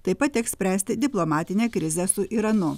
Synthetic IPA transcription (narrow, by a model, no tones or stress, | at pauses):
t̪ɐɪpɐt̪tʲɛksʲpʲɾʲæːsʲt̪ʲɪd̪ʲɪplˠomɑːt̪ʲɪnʲeːkɾʲɪzʲɛsʊʔiɾɐnʊ